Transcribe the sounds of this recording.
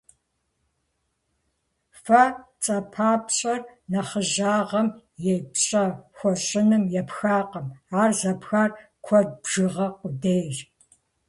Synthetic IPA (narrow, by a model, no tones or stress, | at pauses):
fɐt͡sʼɐpʰaːpɕʼɐrnɐχəʒaːʁɐm | jɛpɕʼɐxʷɔɕʼɪnɨmjɛpxaːqəmaːrzɐpxar | kʷʰɔd̚bʒ̥ɨʁɐqʷʊdeːjr